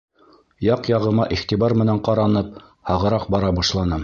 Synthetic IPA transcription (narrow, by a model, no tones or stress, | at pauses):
jɑqjɑʁɤ̆mɑʔiχt̪ibɑɾmɘ̆næɴqɑɾɑnɤp̚ | hɑʁɤ̆ɾɑq̚bɑɾɑbɑʃlˠɑnɤ